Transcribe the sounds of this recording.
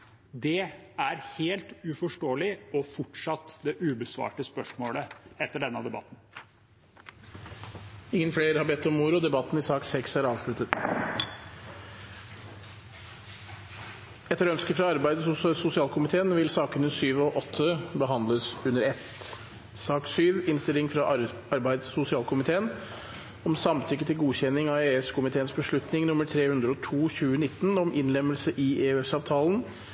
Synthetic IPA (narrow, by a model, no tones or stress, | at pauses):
d̪ɛæɾheːlt̪ʉfɔʂʈoːlɪɔfʊʈʂɑt̪ːd̪ɛʔʉːbəsʋɑ̰ːʈəspœʂmoːləɛt̪ːəɖɛnəɑd̪ɛbɑ̰t̪ːn̩ | ɪŋːənfleːɾhɑɾbɛt̪ːɔmːʊɾʊd̪ɛbɑt̪ːn̩ɪsɑːksɛksæɾɑːʋslʉt̪ət̪ | ɛt̪ːəɾœnskəfɾɑɑɾbæɪd̪əsʊsɪɑːlkʰʊmɪt̪ʰeːənʋɪlsɑːkənəsyːʋɔʔɔt̪ʰːəbəɦɑnd̪ləsʉnːəɾɛt̪ | sɑːksyːʋɪnst̪ɪlɪŋfɾɑ | ɑɾbæɪd̪ssʊsɪɑːlkʊmɪt̪ʰeːən | ɔmsɑmt̪ʰʏkːət̪ʰɪlɡuːçɛnːɪŋɑeːʉskʰʊmɪt̪ʰeːənsbəʂɭʉt̪nɪŋnʊmːəɾʈʰɾeːhʉnd̪ɾəɔt̪ʰuːçʉːənɪt̪ːnɔmʔɪnlɛməlsəʔɪeːʉɛsɑːʋt̪ʰɑːln̩